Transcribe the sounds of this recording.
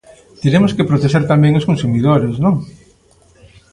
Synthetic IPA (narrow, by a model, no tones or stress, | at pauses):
t̪eɾemʊskɪpɾot̪eʃeɾt̪amɛ̃ŋoskonsumiðoɾesnõŋ